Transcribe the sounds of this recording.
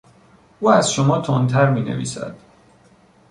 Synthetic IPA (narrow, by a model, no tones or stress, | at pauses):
ʔuːæzʃomɒːt̪ʰont̪ʰæɾmiːnḛvḭːsæ̰d̪̥